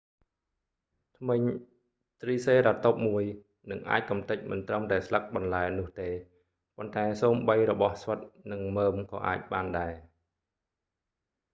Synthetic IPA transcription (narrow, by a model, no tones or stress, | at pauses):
t̪ʰmɨɲ | t̪riːseːɾat̪op̚muəj | nɨŋʔa̰ːc̚kɑmt̪ɨc̚mɨnt̪rəmt̪aɛslək̚ɓɑnlaɛnʊ̆əht̪eː | pont̪aɛsoːmɓəjrɔɓɑhsʋət̪̚nɨŋməːmkɑ̰ːʔa̰ːc̚ɓaːnɗaɛ